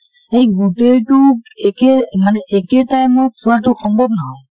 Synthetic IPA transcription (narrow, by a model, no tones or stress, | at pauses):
ejɡuteltukɛmanɛʔɛkɛtajmupʰuwatʊxɔŋbʱɔb̚naɦɔ̃